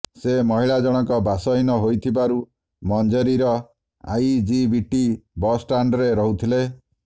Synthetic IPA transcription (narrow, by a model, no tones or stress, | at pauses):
semɔɦiɭad͡ʒɔɽ̃ɔŋkɔbasɔɦinɔɦojt̪ʰibaɾu | mɔnd͡ʒɔɾiɾɔ | a̰jd͡ʒibiʈibɔsʈaɳɖɾeɾɔɦut̪ʰile